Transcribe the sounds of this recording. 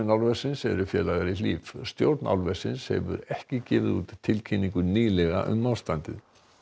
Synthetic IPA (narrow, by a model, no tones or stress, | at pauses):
ɪnawlvɛsɪnsɛɾʏfjɛːlaɣaɾiliːvst̪jowɾt̪na̰wlvɛsɪnshɛ̰vʏ̰ɾɛhcɪcɪːvɪðuːt̪t̪ʰːɪlcʰinːiŋkʏniːlɛɣa̰ʔʏmːawst̪ant̪ɪ̰ð